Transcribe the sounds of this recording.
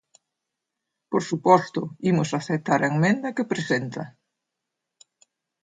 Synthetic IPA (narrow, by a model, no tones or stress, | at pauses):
poɾsupɔst̪ʊimʊsaθet̪aɾɐeŋmẽnd̪ɐkɪpɾesent̪ɐ